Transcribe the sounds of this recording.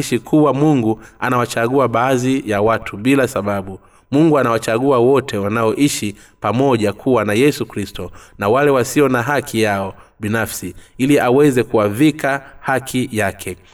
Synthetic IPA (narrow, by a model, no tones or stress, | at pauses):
iʃikʰuwamuŋɡuanawat͡ʃaɠuaɓaːzijawatʰuɓilasaɓaɓu | muŋɡuanawat͡ʃaɠuawɔtʰɛwanaɔʔiʃi | pamɔʄakʰuwanajɛsukɾistɔnawalɛwasiɔnaɦakʰijaɔɓinafsiiliʔawɛzɛkuaðikahakʰijakʰɛ